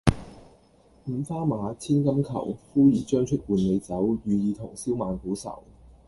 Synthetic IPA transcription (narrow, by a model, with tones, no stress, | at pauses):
m̩˨˧faː˥maː˨˧t͡sʰiː˥nkɐ˥mkʰɐ̰˨˩wfuː˥jyː˨˩t͡ʃœː˥ŋt͡ʃʰɵ˥t̚wuː˨˧nle˨˧jt͡sɐ˨˥wjyː˨˧jiː˨˧t̪ʰʊ˨˩ŋsiː˥wmaː˨nkuː˨˥sɐ̰˨˩w